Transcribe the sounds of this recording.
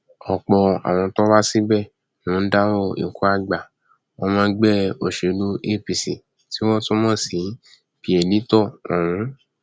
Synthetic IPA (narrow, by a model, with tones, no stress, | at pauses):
ɔ˨k͡pɔ˧a̰˨w̃ɔ̃˧tɔ˦ba˦si˦bɛ˦˨ | nũ˨˦n̩˦da˦wɔ˦˨ḭ˨ku˦a˦ɡ͡ba˨ | ɔ˧mãː˦ɡ͡bɛ˦˨o˨ʃe˨˧˦lu˦e˦˨pi˨si˨ | ti˦wɔ̃˦to˦mɔ̃ː˦˨si˨˦ | pi˨ɛ˨nĩ˨˦tɔ˦˨ɔ̰˨w̃ũ˨˦